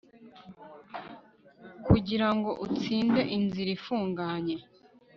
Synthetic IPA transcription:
kuɟiɾaŋɡo̞ʔut͡siːnde̞ʔinziɾifuːŋɡaɲe̞

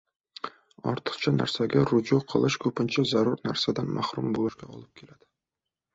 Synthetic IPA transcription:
ɒ̰ɾt̪ʰə̥qt͡ʃʰɑnæ̰ɾsæɡʲæɾud͡ʒuqʰə̰̆lˠɤʃkʲʰɵpɪnt͡ʃæzæɾuɾnæɾsæd̪ænmæhɾumbolˠɨʃkʲaɒ̰lˠəp̚kʲʰelæd̪̥ɪ̥

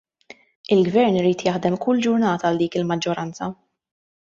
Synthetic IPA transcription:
ɪlɡvɛɾnɪɾiːt̪jɐħd̪ɛmkʊlːd͡ʒʊɾnɐːt̪ɐːld̪iːkɪlmɐd͡ʒːɔɾɐnt͡sɐ

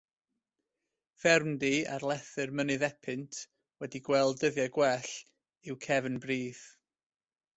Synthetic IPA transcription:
v̥ɛrmdia̰rlˠɛθɨrmənɨðɛpʰɨntʰ | wɛdiɡwɛlˠdəðjaɡwɛɬ | ɪwkʰɛvənbriːθ

